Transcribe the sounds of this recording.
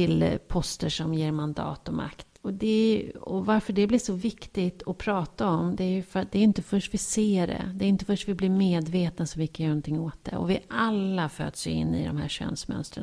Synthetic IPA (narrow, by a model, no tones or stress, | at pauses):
ɪlpʰɔst̪əʂɔmjeːɾmand̪ɑ̰ːt̪ɔmʔa̰kt̪ɔd̪ɛɔvaɾfəɖɛblɪʂɔvɪkt̪ɪɡt̪ɔpʰɾɑːt̪aɔmd̪ɛæɾjɵfœɾat̪̚d̪ɛæɾjʏɪnt̪əfœʂʈvɪseːɖɛ̰d̪ɛːɾjʏnt̪̬əfœʂʈvɪblɪɾmeːd̪veːt̪nasɔmvɪkʰːajœːnɔnt̪ʰɪŋːoːt̪̚d̪ɛ̰ɔ̰vɪʔalːafø̰ːd̪sjʏɪ̰nːɪ̰d̪ɔ̰mhæ̰ːɾɕø̰ːnsmœ̰nst̪ɾə̰